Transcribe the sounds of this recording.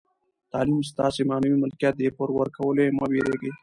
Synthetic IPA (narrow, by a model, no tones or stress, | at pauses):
t̪ɑːlimst̪ɑsemɑːnuwiməlkjɑt̪̚d̪epoɾwəɾkawəleməbeɾeɡə